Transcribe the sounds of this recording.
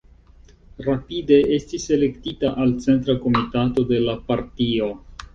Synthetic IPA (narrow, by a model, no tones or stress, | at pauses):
ɾapide̞estise̞le̞ktitaʔalt͡se̞nt̬ɾako̞mitato̞de̞lapaɾtio̞